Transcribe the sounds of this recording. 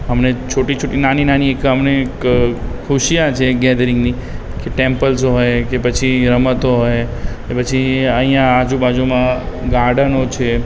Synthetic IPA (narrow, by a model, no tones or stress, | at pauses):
ɦəmnet͡ʃʰoʈit͡ʃʰoʈinaninaniekəmnekkʰuʃijãt͡ʃʰeɡɛd̪əɾɪ̃ŋɡni | keʈẽmpəlsɦojkepət͡ʃʰiɾəmət̪oɦojkepət͡ʃʰiəɦĩjãːd͡ʒubad͡ʒumã | ɡaɽənot͡ʃʰe